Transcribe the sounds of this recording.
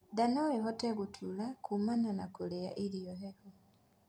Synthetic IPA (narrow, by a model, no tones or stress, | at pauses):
danoixɔteɣutʰulakʰumananakulea̰ʔilijoheko